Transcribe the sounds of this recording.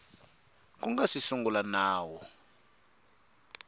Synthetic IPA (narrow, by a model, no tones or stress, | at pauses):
k̬uŋɡasisuŋɡulanaːwɔ